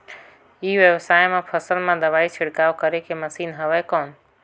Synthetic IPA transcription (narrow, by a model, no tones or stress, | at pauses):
iːʋjəʋsaːjmãpʰəsəlmãd̪əʋaːit͡ʃʰɪɽkaːʋkəɾekeməsiːnɦəʋɛːkɔːn